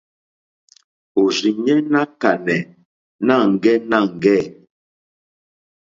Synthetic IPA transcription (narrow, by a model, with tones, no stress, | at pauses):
o˨zi˨ɲɛ˦na˦ka˨nɛ˨ | na˦˨ŋ˨ɡɛ˦na˦˨ŋ̩˨ɡɛ˦˨